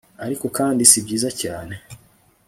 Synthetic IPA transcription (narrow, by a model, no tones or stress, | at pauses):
aɾiko̞kaːndisibɟiːzacaːne̞